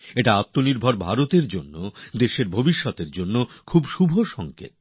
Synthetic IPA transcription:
eʈaat̪ːoniɾbʱɔɾbʱaɾot̪eɾd͡ʑonːod̪eʃeɾbʱobiʃːɔt̪eɾd͡ʑonːokʰubʃubʱoʃɔŋkḛt̪̚

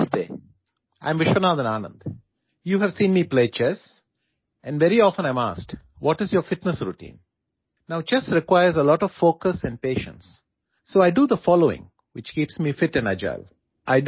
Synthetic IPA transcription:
sdḛː | ã̰ɪ̃mʋɪʃʋənaːd̪ə̃naːnə̰̃nd̪ | juːɦæʋsĩːnmiːpleːt͡ʃɛs | ɛ̃nɖʋɛɾiɔːfə̃nãɪ̃ma̰ːsk | ʋɔʈɪzjɔɾfɪʈnəsɾṵʈḭ̃ːn | naʊt͡ʃɛsɾɪkwaɪəɾzəlɔːʈɔʋfoːkəsɛ̃ɳɖ̚peːʃə̰̃nsː | oːaɪɖud̪əfɔloːɪ̰̃ŋ | ʋɪt͡ʃkiːpsmiːfɪʈɨ̃na̰d͡ʒa̰ɪl | ʔaɪɖ

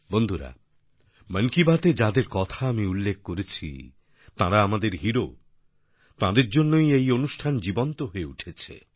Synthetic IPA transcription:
bond̪ʱuɾa̰ | mənkibat̪ed͡ʑad̪eɾkɔt̪ʰaamiulːek̚koɾet͡ɕʰḭ | t̪ãɾaamad̪eɾɦiɾo̰ | t̪ãd̪eɾd͡ʑonːojejonuʃʈʰand͡ʑibont̪oɦoeuʈʰet͡ɕʰḛ

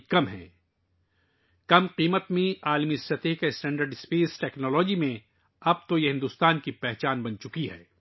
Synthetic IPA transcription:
kɐmɦɛ̰̃ː | kɐmqiːmət̪mẽʔaːlmiɪsɐt̪ɛɦikaɪsʈɛ̃ːɳɖəɾɖɪspeːsʈɛːknɔːlɔːd͡ʒimẽ | ɐb̚t̪ojeɦɪ̃nd̪uːst̪aːnkipɛɦt͡ʃaːnbɐnt͡ʃʊkiɦɛ̰ː

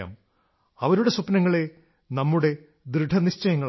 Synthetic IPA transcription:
a̰ːm | ɐʋɐɾuɽe̞supnɐŋːɐɭe̞ | nɐmːuɽe̞ | d̪ɾɨɖʱɐniɕt͡ɕɐjɐŋːɐ

